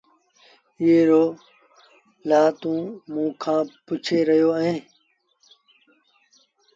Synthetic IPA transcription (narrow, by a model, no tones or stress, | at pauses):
ieɾoː | laːt̪ũːmũːkʰãːpʊt͡ʃʰeːɾəjoːəɦẽː